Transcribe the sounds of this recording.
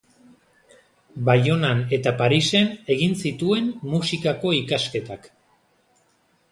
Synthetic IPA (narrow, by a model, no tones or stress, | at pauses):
bajo̞nane̞t̪apaɾise̞ne̞ɣinsit̪ue̞nmusikako̞ikaske̞t̪ak